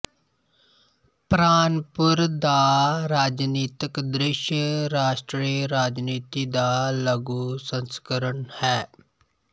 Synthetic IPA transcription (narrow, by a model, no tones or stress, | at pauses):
pɾaːnpʊɾd̪aːɾaːd͡ʒniːt̪ɪkd̪ɾɪʃjəɾaːʃʈɾiːɾaːd͡ʒniːt̪id̪aːləɡusə̃nskəɾəɳhɛː